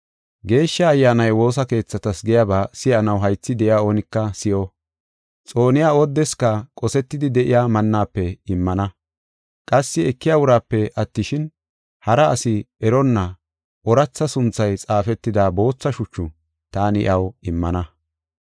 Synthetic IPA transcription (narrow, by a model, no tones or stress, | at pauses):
ɡe̞ːʃːɐːjːaːnɐjwo̞ːs̬ɐke̞ːt͡sːɐt̪ɐsɡɛjaːbaːsɪjɐnɐwɦɐjt͡sːɪd̪ɛʔɪjaːoːnɪkːɐsɪjo | t͡sʼo̞ːnɪjaːɔd̪ːɛskɐkʼɔsɛt̪ːɪd̪ɪd̪ɛʔɪjaːmɐnːaːpːɛɪmːɐnɐ | kʼɐsːɪɛkːɪjaːwʊɾaːpːɛʔɐt̪ːɪʃɪn | hɐɾɐːsɪ | ɛɾɔnːɐ | ʔɔɾɐt͡sːɐsʊnt͡sːɐjt͡sʼaːfɛt̪ːɪd̪aːbo̞ːt͡sːɐʃʊt͡ʃːʊ | t̪aːnɪʔɐwɪmːɐnɐ